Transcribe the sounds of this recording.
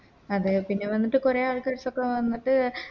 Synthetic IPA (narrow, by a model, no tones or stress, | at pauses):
ɐðɨpinːe̞ʋɐnːiʈːɨkureaɭkɐɾsokːeʋɐnːiʈːɨ